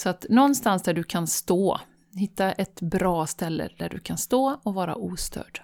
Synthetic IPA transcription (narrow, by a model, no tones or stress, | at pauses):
sɔat̪nɔnːst̪ansd̪æɖɵkʰanst̪oː | hɪt̪ːaʔɛt̪bɾɑːst̪ɛlːə̰d̪̥æɖɵ̰kʰanst̪oːɔvɑːɾa̰ʔuːst̪ʰœ̰ːɖ̥